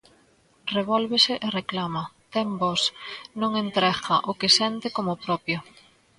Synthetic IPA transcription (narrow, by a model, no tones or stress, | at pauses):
reβɔlβesɪʔereklamɐt̪ɛmbɔsnõŋent̪ɾɛxɐʔʊkɪsɛnt̪ɪkomʊpɾɔpjo